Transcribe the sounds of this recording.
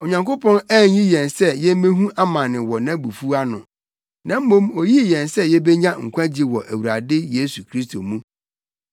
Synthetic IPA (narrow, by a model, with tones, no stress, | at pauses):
o˨ɲã˨ŋko˦pʰɔ̃˦næː˦˨ɲĩ˦jɛ̃˨nsɛ˦jɛ˦m̩˦mẽ˦ɦũ˦ʔa˦mã˨nɪ̃˨wɔ˨nã˦bu˨fu˦a˦nʊ̃˨ | nã˨m̩˦mõ˦mo˨ji˦˨jɛ̃˨nsɛ˦jɛ˦bɛ˦ɲã˦ŋ̩˨kʰʷã˦d͡ʑi˦wɔ˨ʔæ˨wu˨ɾa˨dɪ˦je˦su˨kʰɾi˦s̬tʰo˨mũ˦